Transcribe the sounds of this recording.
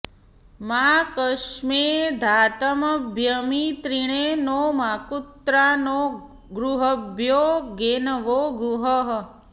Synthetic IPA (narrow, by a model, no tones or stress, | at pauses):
makəʃmed̪ʱaːt̪əməbʱjəmit̪ɾiɳ̃enomakut̪ɾano | ɡɾuɦəbʱjoːɡenəʋoːɡuɦəɦ